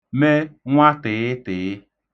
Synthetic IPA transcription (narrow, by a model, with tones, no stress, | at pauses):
mɛ˦ŋw̃a˦t̪e˨e˦t̪e˨e˦